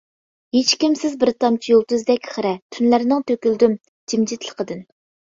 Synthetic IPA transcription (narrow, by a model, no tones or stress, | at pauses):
het͡ʃkʲimsɪzbɪɾt̪ɑmt͡ʃʰijolˠt̪uzd̪ɛkʲχəɾɛt̪ʰynlæɾnɪŋt̪ʰøkʲyld̪ym | d͡ʒimd͡ʒit̪ʰlˠə̥qʰəd̪ɨn